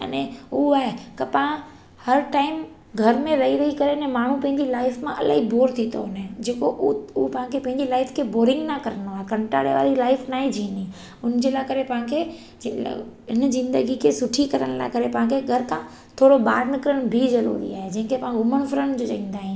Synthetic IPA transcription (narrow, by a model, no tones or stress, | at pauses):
ɐ̰nẽʊaːɦekɐpɐã | hɐɾʈaːɪm | ɡʱɐɾmẽɾɐɦiɾɐɦikɐɾenɛ̃maːɳ̤ũpɐ̃ɦɪ̃ɲd͡ʑilaːɪfmãʔɐla̰ːɦiboːɾt̪ʰit̪o̰nd͡ʑeːkoʔupɐ̃ɦãkʰepɐ̃ɦɪ̃ɲd͡ʑilaːɪfkʰeboːɾɪ̃ŋɡnakɐɾənoaːɦekɐ̃ɳʈa̰ːɽḛʋa̰ːɾilaːɪfnaːɦid͡ʑʱĩːni | ʊnd͡ʑeːlaːkɐɾepɐ̃ɦãkʰḛ | ɪnzɪ̃nd̪əɡikʰesʊʈʰikɐɾəɽ̃la̰ːkɐɾepɐ̃ɦãkʰeɡʱɐɾkʰã | t̪ʰoːɽoɓaːɾnɪkəɾəɽ̃bʱizɐɾṵːɾḭa̰ːɦed͡ʑɐ̃ɦɪ̃ŋkʰepɐɦãɡʱʊməɽ̃fɾəñd͡ʑot͡ɕɐ̰ĩːn̆d̪aːɦĩː